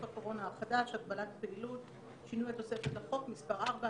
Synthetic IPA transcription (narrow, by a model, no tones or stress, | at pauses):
fako̞ʁo̞naːχadaʃaɡ̚balatpeilut | ʃinujet̪ːo̞se̞fetlaχo̞kmispaʁʔaʁba